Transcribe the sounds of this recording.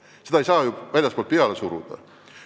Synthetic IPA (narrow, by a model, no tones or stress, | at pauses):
sed̪ɑejsɑːjuʋælʲjɑspolt̪piɑlesuɾṵd̪̥ɑ̰